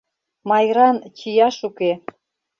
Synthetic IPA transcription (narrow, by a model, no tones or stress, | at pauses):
mɑjɾɑnt͡ɕijɑʃuke